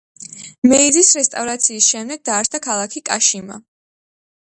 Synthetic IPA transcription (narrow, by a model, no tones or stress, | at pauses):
mɛid̪isɾɛst̪ʼavɾat̪sʰiːsʃɛmd̪ɛɡ̚d̪aːɾt̪ʰakʰalˠakʰikʼaʃima̰